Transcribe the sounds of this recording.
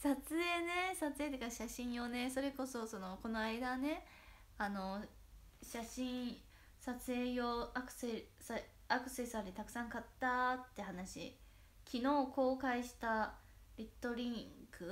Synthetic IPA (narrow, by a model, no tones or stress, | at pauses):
sat͡sɨe̞ːne̞sat͡sɨet̪ekaɕaɕĩɰ̃jo̞ne̞so̞ɾe̞ko̞so̞so̞no̞ko̞no̞aid̪ane̞ | ano̞ | ɕaɕĩɰ | sat͡sɨe̞ːjoakɯ̟̥sesa | akɯ̟̥se̞saɾʲit̪akɯ̟sãŋkat̪ːat̪ːe̞hanaɕḭ | kʲʰino̞ːko̞ːkaiɕi̥t̪aɾʲit̪ːo̞ɾʲĩŋkɯ̟